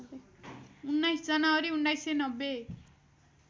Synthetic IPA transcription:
unːajsd͡zʌnaʌɾiuɳɖajsenʌbːe

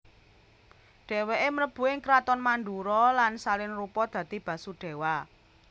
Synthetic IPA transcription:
ɖ̥e̤weʔeməɾəb̥ṳɪŋkɾat̪ɔnmand̪uɾɔlansalɪnrupɔd̪̥ä̤d̪̥i̤b̥ä̤suɖ̥e̤wa

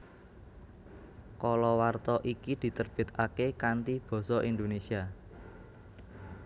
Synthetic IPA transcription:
kɔlɔwart̪ɔʔikid̪̥i̤t̪ərb̥e̤t̪̚akekant̪ib̥ɔ̤sɔʔind̪onesia

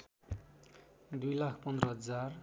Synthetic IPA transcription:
d̪ujlakʰpʌnd̪ɾʌɦʌd͡zar

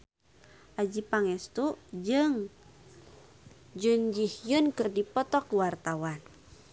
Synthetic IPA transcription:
ʔad͡ʒipaŋɛst̪ud͡ʒɨŋ | d͡ʒund͡ʒihjunkɨrdipɔt̪ɔkuwart̪awan

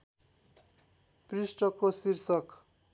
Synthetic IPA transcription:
prisʈʌkosirsʌk

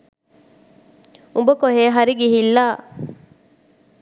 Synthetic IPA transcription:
ubəkoɦeːɦɐɾiɡiɦilːaː

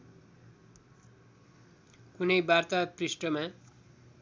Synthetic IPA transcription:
kunʌjbart̪aprisʈʌma

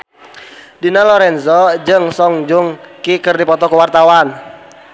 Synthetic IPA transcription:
dinalɔɾɛnzɔd͡ʒɨŋsɔŋd͡ʒuŋkikərdipɔt̪ɔkuwart̪awan

